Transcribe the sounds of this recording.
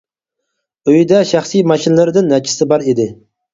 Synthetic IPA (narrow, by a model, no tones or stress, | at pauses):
øjd̪ɛʃæχsijmɑʃinlɪɾɪd̪ɪnːɛkʲʰi̥sɪbɑɾid̪ɪ